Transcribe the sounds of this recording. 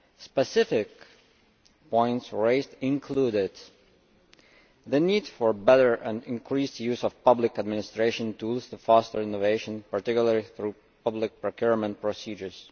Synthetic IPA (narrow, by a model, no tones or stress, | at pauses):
spɛsɪfɪk | pɔ̃ɪ̃ntsɹeɪzdɪ̃nkʰludɪd | ðənidfəɹbɛɾə˞ʔə̃nɪ̃nkʰɹisjʉzɔv̥pʌblɪkəd̚mɪnɪstɹeɪʃə̃ntʰulˠztufastə˞ɪ̃noveɪʃə̃npəɹtɪkjʊl̩ˠəɹiθɹu | pʌblɪk̚pɹokʰjuɹmə̃nt̚pɹɔsid͡ʒə˞z̥